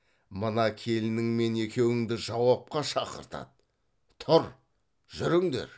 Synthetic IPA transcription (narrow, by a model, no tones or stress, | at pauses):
mənɑkʲʰe̞lɪnɪŋme̞ne̞kʲe̞wɪŋd̪ɪʒɑwɑp̚qɑʃɑqə̰ɾt̪ɑ̰d̪ə | t̪ʰʊɾ | ʒ̥ʏɾɪŋd̪e̞̰ɾ